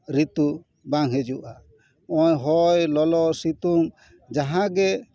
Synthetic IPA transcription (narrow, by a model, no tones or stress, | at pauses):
ɾit̪u | baŋɦɛd͡ʒuʔa | ɔɲɦɔjlɔlɔsit̪uŋ | d͡ʒaɦãɡɛ